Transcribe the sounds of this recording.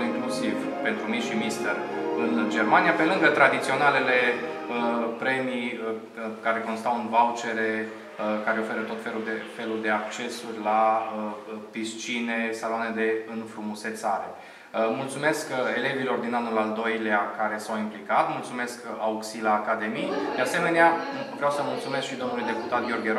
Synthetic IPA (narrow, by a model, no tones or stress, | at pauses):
iŋklusiv | pe̞nt̪ɾumiʃimist̪erɨnd͡ʒe̞rmanijape̞lɨŋɡət̪ɾad̪it̪sio̞nale̞le̞əpɾe̞miə | kaɾe̞ko̞nst̪aunvawt͡ʃe̞ɾe | əkaɾe̞o̞fe̞ɾət̪o̞t̪felud̪efe̞luld̪e̞ak̚t͡ʃe̞surʲlaəpist͡ʃine̞salwane̞d̪e̞ɨnfɾumuse̞t̪saɾe̞̰ | əmult̪sume̞ske̞le̞vilo̞rd̪inanulald̪o̞jleakaɾe̞sawimplikat̪mult̪sume̞skauksilaːkad̪e̞mid̪ease̞me̞neavɾeawsəmult̪sume̞skʃid̪onulujd̪e̞put̪at̪ɡʲjo̞rɡʲeɾ